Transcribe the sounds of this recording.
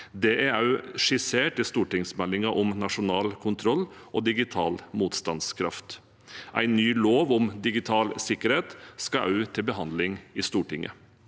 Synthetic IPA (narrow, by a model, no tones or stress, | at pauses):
d̪ɛʔæɑʉʂɪseːʈɪst̪uːʈɪŋsmɛlːɪŋɑʔɔmnɑʂʊnɑːlkʰʊnt̪ʰɾɔlː | ʔoːd̪ɪɡɪt̪ʰɑːlmuːt̪st̪ɑnskʰɾɑft̪ | ʔæ̰ɪnːyːloːʋʊmd̪ɪɡɪt̪ʰɑːlsɪkəɾheːt̪skɑʔɑʉt̪ʰɪlbəɦɑnd̪lɪŋɪst̪uːʈɪŋːʔə̰